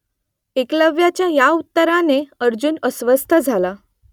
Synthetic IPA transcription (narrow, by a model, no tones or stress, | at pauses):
ekləʋjat͡ɕjajaut̪ːəɾaneəɾd͡ʑuːnəsʋəst̪ʰəd͡zʱala